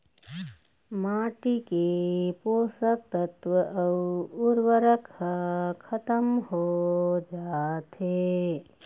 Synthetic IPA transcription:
maːʈikepoːsək̚t̪ət̪ʋəʔɐʊɾwəɾəkʰəkʰɐt̪əmɦod͡ʒaːt̪e

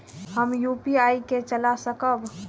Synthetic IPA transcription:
həmjupiaiket͡ʃəlasəkəb

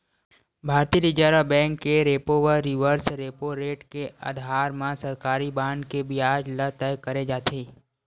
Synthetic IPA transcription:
bʱaːɾt̪iəɾɪd͡ʒaːɾabɛ̃ːŋkːeɾeːpoʋəɾɪʋəɾsɾeːpoɾeːʈkeə̰d̪ʱaːɾmãsəɾkaːɾibãːɳɖkebʱiaːd͡ʒlət̪ɛjkəɾed͡ʒaːt̪ʰeː

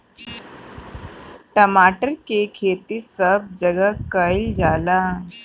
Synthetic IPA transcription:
ʈəmaʈəɾkekʰet̪isəb̚d͡ʑəɡəkːəjld͡ʑala

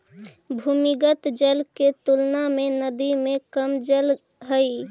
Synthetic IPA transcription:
bʱuːmɪɡət̪d͡ʒəlket̪ulnamẽnəd̪imẽkəmd͡ʒəl | ɦəi

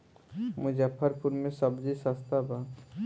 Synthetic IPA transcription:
mʊd͡ʒapʰəɾpuɾmẽsəbd͡ʒisast̪ʰaba

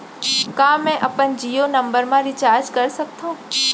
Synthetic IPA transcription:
kãːmɛ̃ʔɐpənd͡ʒiːonɐ̃mbəɾmãɾɪt͡ɕaːɾd͡ʒkɐɾsɐk̚t̪ʰũː

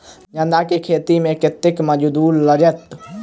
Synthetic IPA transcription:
d͡ʒə̃nd̪akekʰeːt̪imẽkɪt̪ːɪkməd͡ʒd̪uːlːəd͡ʒət̪

